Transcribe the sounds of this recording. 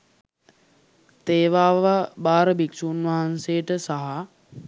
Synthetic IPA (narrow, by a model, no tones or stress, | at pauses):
t̪eːʋaːʋabaːɾəbiksuːnʋaɦansejəʈəsaɦa